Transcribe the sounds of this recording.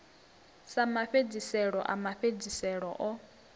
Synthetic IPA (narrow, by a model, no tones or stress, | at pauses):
samaɸed͡zisɛɺɔʔa̰maɸed͡zisɛɺɔʔɔ